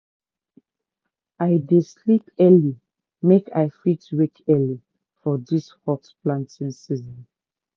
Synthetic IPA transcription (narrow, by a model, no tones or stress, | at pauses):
aɪdeslipɛli | mekʰaɪfitwekʰɛli | fɔdishɔksplãntĩŋsizɔ̃n